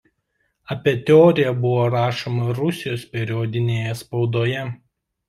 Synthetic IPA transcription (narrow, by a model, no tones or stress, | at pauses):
ɐpʲiːt̪ʲɛɔːɾʲɪjɛbʊʋoːɾɑːʃomɐɾʊsʲɪjoːspʲɛɾʲɪɔd̪ʲɪnʲeːjɛspɒʊd̪oːjɛ